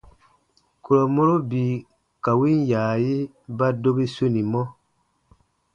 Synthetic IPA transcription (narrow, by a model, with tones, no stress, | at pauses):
ku˨ɾo˨mo˦ɾo˦bi˨ | ka˨wi˦n˦jaː˨ji˦ | ba˦do˦bi˦su˦ni˨mɔ˦